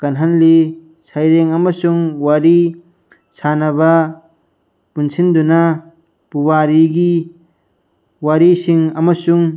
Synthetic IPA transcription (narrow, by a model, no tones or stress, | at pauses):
kɐnɦanli | sʰajɾeŋɐmɐsuŋwaɾi | sʰanɐβɐ | punsʰind̪una | pubaɾiɡi | waɾisiŋɐmɐsuŋ